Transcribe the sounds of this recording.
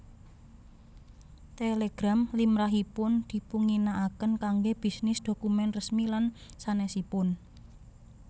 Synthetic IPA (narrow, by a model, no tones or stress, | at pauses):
t̪eleɡ̥ɾamlimɾaɦipʊnd̪̥i̤puŋinaʔakənkaŋɡeb̥i̤snɪsd̪̥o̤kumɛnrəsmilansanɛsipʊn